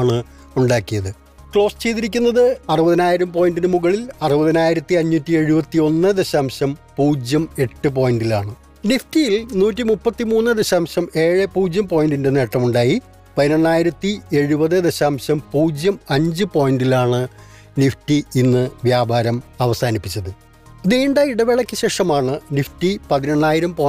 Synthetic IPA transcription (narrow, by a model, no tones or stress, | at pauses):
ɳɨ | uɳɖaːkːijɐðɨ | kɭo̞ːst͡ɕe̞jt̪iɾikʲːunːɐðɨɐrɨbɐðinaːjiɾɐmpo̞ːjnɖinɨmuɣɐɭilɐrubɐðinaːjiɾɐt̪ːiɐɲːutːie̞ɻubɐt̪ːio̞nːɨd̪eɕaːmɕɐmpuːd͡ʑjɐme̞ʈːɨp̬o̞ːjinɖilaːɳɨ | niftijilnuːtːimupːɐt̪ːimuːnːɨd̪eɕaːmɕɐme̞ːɻɨpuːd͡ʑjɐmpo̞ːjnɖinde̞ne̞ːʈːɐmuɳɖaːji | pɐðino̞ɳːaːjiɾɐt̪ːie̞ɻubɐðɨd̪eɕaːmɕɐmpuːd͡ʑjɐmɐɲd͡ʑɨpo̞ːjnɖilaːɳɨ | niftiinːɨʋjaːbʱaːɾɐmɐʋɐsaːnipːit͡ɕːɐðɨ | iðeːɳɖaːjiɽɐʋeɭɐkʲːɨɕe̞ːʂɐmaːɳɨniftipɐðino̞ɳːaːjiɾɐmpo